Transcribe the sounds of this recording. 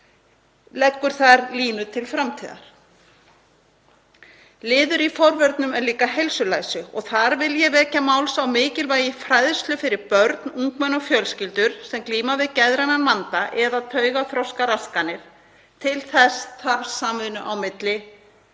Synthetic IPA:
lɛkːʏɾ̥θaɾliːnʏt̪ʰɪlfɾamt̪ʰiːða̰ɾ̥ | lɪːðʏɾifɔɾvœɾt̪nʏmɛɾliːkaɦejlsʏlajsʏɔɣθaɾvɪljɛvɛːcamawlsawmɪːcɪlvaːjɪfɾajðst̪lʏfɪɾɪɾpœɾt̪nuŋkmɛnɔɣfjœlscɪlt̪ʏɾ̥sɛmkliːmavɪðcɛðɾananvant̪aʔɛðaðt̪ʰœːɥɣaθɾɔwskaɾaskanːɪɾ̥ | t̪ʰɪlθɛst̪ʰaɾsamvɪðnʏʔawmɪt̪lɪ

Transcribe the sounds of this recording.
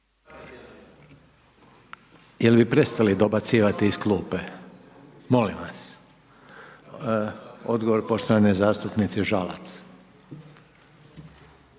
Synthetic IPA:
jelbipɾe̞st̪alid̪obat̪siːʋat̪iːskluːpe | mo̞limʋas | o̞d̪ɡoʋo̞ɾpo̞ʃt̪oʋanezaːst̪upnit̪siʒala̰t̪s

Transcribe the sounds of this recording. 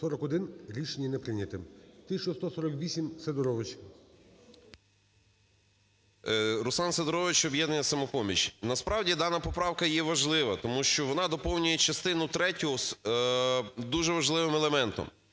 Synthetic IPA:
sɔɾɔkɔd̪ɪnɾʲiʃenʲːɐnɛpɾɪnʲɐt̪ɪmt̪ɪt͡ʃɔst̪ɔsɔɾɔkʋʲisʲimsed̪ɔɾɔʋɪt͡ʃ | ɾʊsˠɑnsed̪ɔɾɔʋɪt͡ʃɔbjɛd̪nɐnʲjɐsɐmɔpɔmʲit͡ʃnɐspɾɑwdʲid̪ɑnɐpɔpɾɑwkɐjɛʋɐʒlˠɪʋɐt̪ɔmuʃt͡ʃɔʋɔnɑd̪ɔpɔwnʲʊjɛt͡ʃɐst̪ɪnʊt̪ɾɛtʲʊs | d̪uʒɛʋɐʒlˠɪʋɪmɛlˠemɛnt̪ɔ̰m

